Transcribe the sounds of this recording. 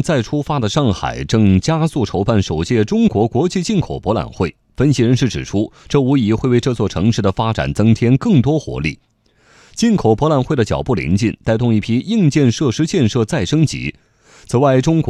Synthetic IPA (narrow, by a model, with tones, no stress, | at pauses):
t͡sa˥˩ɪʈ͡ʂʰu˥fa˥d̪ə˨ʂɑ˥˩ŋxa̰˨˩ɪʈ͡ʂɤ˥˧ŋt͡ɕja˥su˥˩ʈ͡ʂʰo˧˥ʊpa˥˩nʂo˨˩ʊt͡ɕjɛ˥˩ʈ͡ʂʊ˥ŋkwɔ˧˥kwɔ˧˥t͡ɕi˥˧t͡ɕi˥˩nkʰo˨˩ʊpɔ˧˥la̰˨˩nxwe˥˩ɪ | fə˥nɕi˧˥ɻə˧˥nʂɻ̩˥˩ʈ͡ʂɻ̩˨˩ʈ͡ʂʰu˥ʈ͡ʂɤ˥˩u˧˥i˧˥xwe˥˧ɪwe˥˧ɪʈ͡ʂɤ˥˧t͡swɔ˥˩ʈ͡ʂʰɤ˧˥ŋʂɻ̩˥˩d̪ə˩fa˥ʈ͡ʂa̰˨˩nt͡sɤ˥ŋt̪ʰjɛ˥nkɤ˥˩ŋt̪wɔ˥xwɔ̰˧˥lḭ˥˩ | t͡ɕi˥˩nkʰo˨˩ʊpwɔ˧˥la˨˩nxwe˥˩ɪd̪ə˩t͡ɕjɑ̰˨˩ʊpu˥˩lḭ˧˥ŋt͡ɕi˥˩nt̪a˥˧ɪt̪ʊ˥˧ŋi˥˩pʰi˥i˥˧ŋt͡ɕjɛ˥˧nʂɤ˥˧ʂɻ̩˥t͡ɕjɛ˥˧nʂɤ˥˧t͡sa˥˩ɪʂɤ˥ŋt͡ɕḭ˧˥ | t͡sʰɹ̩˨˩wa˥˩ɪʈ͡ʂʊ˥ŋkw